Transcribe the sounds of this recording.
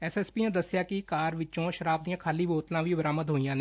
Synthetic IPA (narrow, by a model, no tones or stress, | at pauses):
ɛːseːspiãd̪əsjakikaːɾʋɪt͡ʃõʃəɾaːb̚d̪ijãːkʰaːliboːt̪lãːbʱibəɾaːməd̪ɦoːijãːne